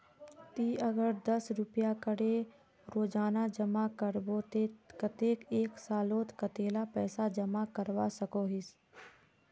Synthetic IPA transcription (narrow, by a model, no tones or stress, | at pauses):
t̪iːɐɡəɾd̪ɐsɾʊpjakəɽe | ɾoːd͡ʒaːnad͡ʒəmakəɾbot̪ekɐt̪eːkeːksaːloːt̪kət̪eːlapɛːsad͡ʒɐmakəɾwasɐkoːɦɪs